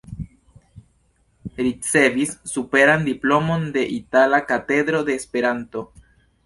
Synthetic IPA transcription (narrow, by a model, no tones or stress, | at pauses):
ɾit͡se̞visːupe̞ɾandiplo̞mo̞nde̞ʔitalakate̞dɾo̞de̞ːspe̞ɾanto̞